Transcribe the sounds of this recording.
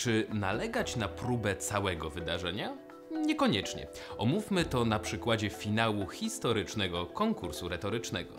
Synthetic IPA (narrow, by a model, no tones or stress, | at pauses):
t͡ʂɘnalɛɡat͡ɕnapɾubɛt̪sawɛɡɔvɘd̪aʐɛɲa | ɲɛkɔɲɛt͡ʂɲɛ̰ | ɔmufʲmɘt̪ɔnapʂɘkwad͡ʑɛfʲinawuxʲist̪ɔɾɘt͡ʂnɛɡɔkɔŋkuɾsuɾɛt̪ɔɾɘt͡ʂnɛɡɔ̰